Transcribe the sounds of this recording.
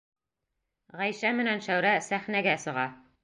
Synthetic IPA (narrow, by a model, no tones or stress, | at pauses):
ʁæjʃæmɘ̆nænʃæwɾæsæχnæɡæsɤ̆ʁɑ